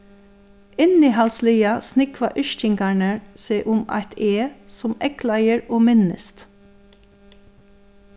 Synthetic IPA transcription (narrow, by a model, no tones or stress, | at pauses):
ɪniːɦɑlsliːɑsnɪkʋaʔʏʃt̪ɪŋɡɑɳəseːʔʊmɑ̰ɪt̪ʰeːsɔmɛklɑjəɹoːmɪnəst̪